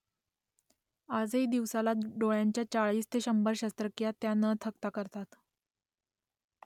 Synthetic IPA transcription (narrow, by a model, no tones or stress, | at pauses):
ad͡zeid̪iʋsalaɖoɭjaɲt͡ɕjat͡ɕaɭiːst̪ʰeɕəmbəɾɕast̪ɾəkjat̪janət̪ʰəkt̪akəɾt̪at̪